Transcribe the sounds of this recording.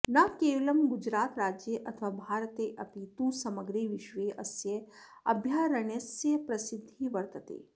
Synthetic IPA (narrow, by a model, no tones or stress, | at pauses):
nɐkeːʋlɐmɡud͡ʒɾaːt̪ɾaːd͡ʒjəʔɐt̪ʰʋaːbʱaːɾt̪eːʔɐpit̪usɐməɡɾeːʋiʃʋeːʔɐsjeɐ̰bʱjaːɾɐɳesjɐpɾɐsid̪ʱːiʋɐɾt̪ɐt̪ḛː